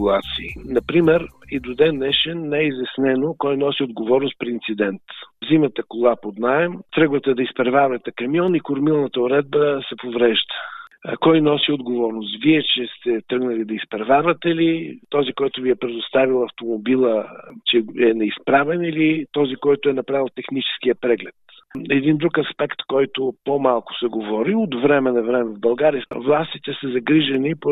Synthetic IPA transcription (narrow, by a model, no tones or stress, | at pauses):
lˠat̪siːnɐpɾimɛɾid̪ʊd̪ɛnːɛʃɛnːɛizɐsnɛnokɔjnɔsiod̪ɡovɔɾnʊst̪̚pɾiint̪sid̪ɛnt̪zimət̪əkolˠapod̪naɛmt̪ɾɤɡvət̪əd̪ɐispɛɾvaɾvɐt̪ɛkɐmjɔnikʊɾmilˠnət̪əʊɾɛd̪̚bəsɛpovɾɛʒd̪ə̥kɔjnɔsiod̪ɡovɔɾnʊst̪viɛt͡ʃɛst̪ɛt̪ɾɤɡnɐlid̪ɐispɾɐvʲavət̪ɛlit̪ɔzikɔjt̪ʊviɛpɾɛd̪ʊst̪avilˠɐft̪omobilˠət͡ʃɛɛnɛispɾavɛnilit̪ɔzikɔjt̪ʊɛnɐpɾavilˠt̪ɛxnit͡ʃɛ̥sk̟ijəpɾɛɡlɛt̪ | ɛd̪ind̪ɾukɐspɛkt̪kɔjt̪ʊpomalˠkʊ̥sɛɡovɔɾiod̪vɾɛmɛnɐvɾɛmɛvbɐlˠɡaɾiəvlˠast̪it̪ɛsɐzɐɡɾiʒənipo